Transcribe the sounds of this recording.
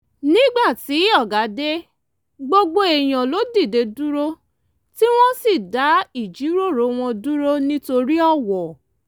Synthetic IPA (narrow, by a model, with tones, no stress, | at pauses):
nĩ˦ɡ͡ba˦˨ti˨˦ɔ˦˨ɡa˨˦de˦ | ɡ͡bo˦ɡ͡bo˦e˨j̃ã˨lo˨˦di˦˨de˧du˦ɾo˦ | ti˦w̃ɔ̃˦si˦˨da˨˦i˦˨d͡ʒi˨˦ɾo˦˨ɾo˨˦w̃ɔ̃˧du˦ɾo˦nĩ˦to˧ɾi˦ɔ˦˨wɔ˨